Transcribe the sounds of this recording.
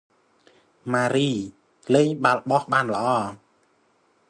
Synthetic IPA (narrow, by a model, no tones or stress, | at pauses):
maːɾiː | leːɲɓalɓɑhɓaːnlə̆ʔɑː